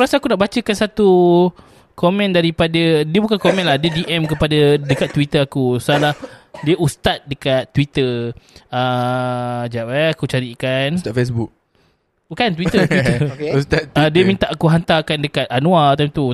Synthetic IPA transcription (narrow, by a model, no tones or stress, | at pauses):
ɾasaakunaʔbat͡ʃəkansat̪u | komɛ̃ndaɾipadadiəbukankomɛ̃nlahdiədiʔɛmkəpadadəkat̪ːwit̪əakusalahdiəʔust̪at̪̚dəkat̪ːwit̪ə | ə | d͡ʒapaakut͡ʃaɾikansat̪fesbuk̚ | kant̪wit̪ət̪wiəust̪at̪ːdiəmĩnt̪aʔːkuɦant̪akandəkat̪̚anũalt̪amt̪u